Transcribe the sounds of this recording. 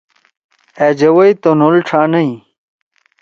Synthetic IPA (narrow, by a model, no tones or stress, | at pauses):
ed͡ʑɐwɐjt̪onolʈ͡ʂʰaːnɐĩ